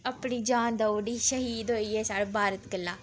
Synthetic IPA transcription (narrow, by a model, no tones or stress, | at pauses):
əpɳiːd͡ʒaːnd̪əɖiːʃəɦiːd̪ɦoːiːɛːsaːɽbaːɾət̪kəlːãː